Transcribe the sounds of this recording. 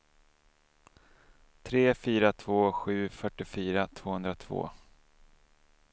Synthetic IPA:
t̪ʰɾeːfyːɾat̪ʰv̥oːɧʉ̟ːfœʈːɪfyːɾat̪ʰv̥oːhɵnd̪ɾat̪ʰv̥o̰ː

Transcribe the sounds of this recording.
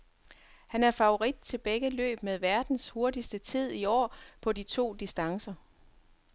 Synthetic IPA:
hænæɐfɑ̈o̝ʁid̥̚t͡sʰe̝b̥eɡ̥əlø̰ːb̥með̞ˠʋæɐd̥n̩sho̝ɐdisd̥ət͡sʰið̞̰ˠiɒ̰ːpʰɒ̽dit͡sʰo̝̰ːd̥isd̥ɑ̈ŋsɐ

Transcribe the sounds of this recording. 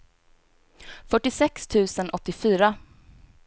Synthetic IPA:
fœʈːɪsɛkst̪ʰʉ̟ːsənʔɔt̪ːɪfyːɾa

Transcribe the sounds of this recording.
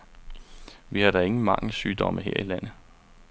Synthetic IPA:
ʋihɑ̈ɾ̥ɑe̝ŋn̩əmɑ̈ŋləsyːd̥ɒ̽məɦeɐ̰ilæn̰ð̩ˠ

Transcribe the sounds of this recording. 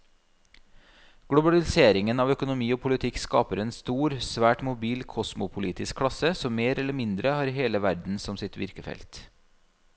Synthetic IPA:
ɡ̥ɽʊbɑlɪseːɾɪŋənɑːʋœkʊnʊmiːoːpʰʊlɪt̪ʰɪkskɑːpəɾeːnst̪uːɾsʋæːʈmʊbiːlkʰɔsmʊpʰʊliːt̪ɪskʰːɽɑsəsɔmmeːɾɛlːəmɪnd̪ɾəhɑːɾheːləʋæɾd̪n̩sɔmsɪt̪ʋɪ̰ɾkəfɛ̰lt̪

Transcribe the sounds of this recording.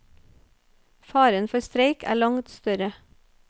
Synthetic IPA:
fɑːɾənfɔɾst̪ɾeɪkʰæ̰ːɭɑŋt̪st̪œɾə

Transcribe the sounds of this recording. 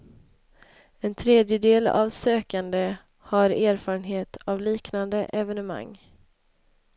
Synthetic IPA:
ɛnt̪ʰɾeːd̪jəd̪eːla̰vsøːkand̪ə | haɾeːɾfɑːɾənɦeːt̪ʰavliːknand̪əʔɛvɛnəma̰ŋː

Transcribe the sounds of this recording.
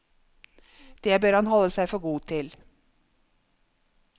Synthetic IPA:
d̪̥eːbøːɾhɑnhɔləsæɪfɔɾɡuːt̪ʰɪl

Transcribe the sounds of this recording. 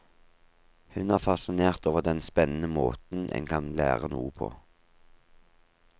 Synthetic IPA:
hʉnæːʁfɑsɪneːʁt̪oːʋəʁd̪ɛnspɛnən̩əmoːt̪n̩ʔɛ̰ŋkʰɑnlæ̰ːʁənuːəpʰo̰ː

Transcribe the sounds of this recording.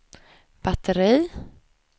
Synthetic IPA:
b̥at̪ʰəɾiː

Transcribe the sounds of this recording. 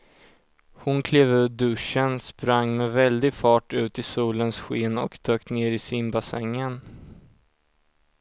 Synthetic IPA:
hʊnkʰleːvʉ̟ːɖɵʂənspɾaŋːmɛvɛld̪ɪɡfɑːʈʉ̟ːt̪ɪsuːlənsɧeːnɔ̰kd̪̥øːkt̪neːɾɪsɪnbasɛ̰ŋːən

